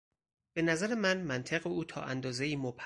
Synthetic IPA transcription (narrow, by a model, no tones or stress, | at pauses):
b̥e̞næzæɾe̞mænmænt̪ʰeɣeuːt̪ʰɒ̰ːʔænd̪ɒːze̞iːmopʰ